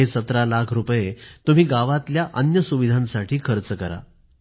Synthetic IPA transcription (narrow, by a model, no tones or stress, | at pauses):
esət̪ɾalakʰɾupjet̪um̤iːɡaʋat̪ljaʔənjəsuʋid̪ʱãnsaʈʰiːkʰəɾt͡səkəɾa̰